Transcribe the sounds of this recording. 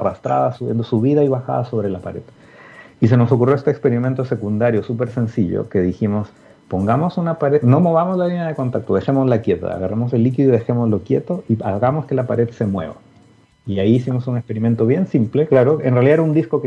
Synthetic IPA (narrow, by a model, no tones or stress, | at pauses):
arast̪ɾa̰ðasuesuβiðaiβaxa̰ðaso̞βɾelapaɾe̞̰ð | is̬e̞no̞s̬o̞kurjo̞est̪ekspe̞ɾiment̪ose̞kund̪aɾjo̞sup̬e̞ɾse̞nsiʎo̰ke̞ðiximo̞s | po̞ŋɡamo̞sunapaɾeno̞mo̞β̞amozlalinjað̞e̞ko̞nt̪ak̚t̪oðe̞xe̞mozlakje̞t̪a̰ːɣarʔamo̞s̬e̞lːik̬iðoiðe̞xe̞mo̞zlo̞kje̞t̪o̞iaɣamoske̞lapaɾe̞ðse̞mwe̞̰βa̰ | iaiːsimo̞sunekspe̞ɾime̞nt̪o̞βje̞nsimple̞klaɾoenrealiðaeund̪isko̞k